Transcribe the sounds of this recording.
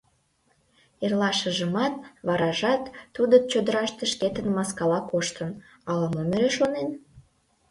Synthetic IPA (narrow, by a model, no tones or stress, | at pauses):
erlɑʃəʒəmɑt̪̚βɑɾɑʒɑt̪ːud̪ət͡ɕod̪əɾɑʃt̪eʃket̪ənmɑskɑlɑkoʃt̪ən | ɑləməmeɾeʃonen